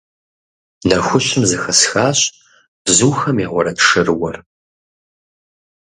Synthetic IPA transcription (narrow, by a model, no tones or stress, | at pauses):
nɐxʷʊɕɪmzɨxɐsxaːɕ | b̥zuːxɐmjaːʁʷɔɾɐtʂɨrɨwɐ̰r